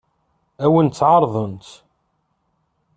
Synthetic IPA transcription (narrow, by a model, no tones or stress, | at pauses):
æwənt̪ːʕɑɾˤðˤənt̪